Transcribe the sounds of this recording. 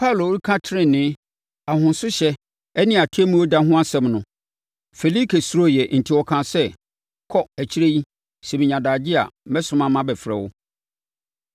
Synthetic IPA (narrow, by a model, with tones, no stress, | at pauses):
pʰa˦˨lo˨wɾi˦kʰã˦tʰɪ˦ɾɪ̃˦˨nɪ̃˦ | a˨hʊ̃˨n˦sʊ˦ɕɛ˦ | ɛ˦nɪ̃˦˨a˨tʰɛ˦mũ˦wo˦da˦ɦʊ̃˦a˦sɛ̃˨mnʊ̃˨ | fe˨li˦kʰe˨su˦ɾo˦˨jɛ˨n̩˨tʰi˦wɔ˨kʰã˨sɛ˦ | kʰɔ˦æ˨t͡ɕʰi˦ɾe˦ji˦ | sɛ˨mĩ˨ɲã˨daː˨d͡ʑɪ˦a̰˨˦mɛ̃˦sʊ̃˨˦mã˦mã˦bɛ˨fɾɛ̰˨wʊ̰˦